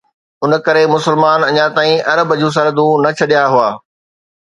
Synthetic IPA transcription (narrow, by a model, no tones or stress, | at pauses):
ʊn̆kɐɾemʊsɪlmaːnɐɲat̪aːĩʔɐɾəbəd͡ʑũːs̬ɐɾəd̪ũnɐt͡ɕʰɐɗijaɦʊaː